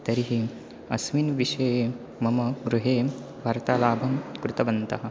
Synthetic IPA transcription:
t̪ɐɾiɦi | ɐsminʋiʃej | mɐmɐɡɾuɦeː | ʋʱɐɾt̪aːlaːbʱɐmkɾut̪ɐʋɐnt̪ɐɦɐ̆

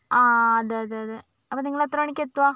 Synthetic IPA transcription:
aːɐðɯɐðɯɐðɯ | ɐpːɐːniŋɡɐɭot̪ːɾoːɳɪkːet̪ːɯʋaː

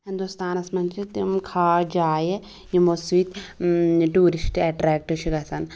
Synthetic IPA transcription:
ɦĩnd̪ust̪aːnɐsmɐnt͡ʃʰit̪imkʰaːd͡ʒaːje | jimosʋiːt̪ | ʈuːɾisʈɛʈɾɛːk̚ʈɨʃikɐsɐn

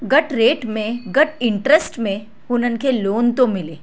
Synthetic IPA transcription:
ɡɐʈɾeːʈmẽɡəʈɪɳʈɾəsʈmẽ | ʊnən̆kʰeloːnt̪omɪleː

